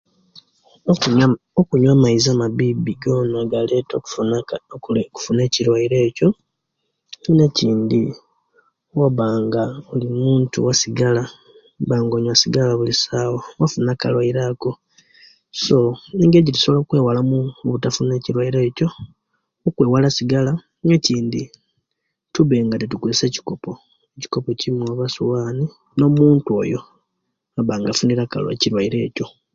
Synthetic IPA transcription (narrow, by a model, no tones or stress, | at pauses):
okuɲwamaizaːmaβibiɡo̞ːnaɡale̞tok | ku̥fune̞ːciɾwaiɾe̞ːco̞ | eineciːndi | waβaːŋɡaolimuːntṵwasiɡala | βaːŋɡoːɲwasiɡalaβulisawowafunakalwaiɾako̞ | so̞eŋɡeiɟitu̥soβlokwe̞ːwalamuβutafune̞ciɾwaiɾe̞ːco̞ | ukweːwalasiɡala | ŋeciːndi | tuβeŋɡatetukuziseci̥ko̞po̞ | eci̥ko̞po̞cimwoβasuwaːni | no̞muːntuo̞ːjo̞ | aβaːŋɡafuniɾaka̰lḛciɾwaiɾe̞ːco̞